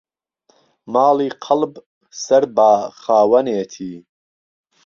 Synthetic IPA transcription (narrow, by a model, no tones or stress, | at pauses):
maːliːqʰɑlb | sɐɾbaːxaːwɐneːt̪ʰiː